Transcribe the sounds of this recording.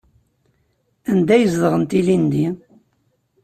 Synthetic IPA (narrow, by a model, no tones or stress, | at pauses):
ænd̪æjəzðəʁənt̪ilind̪i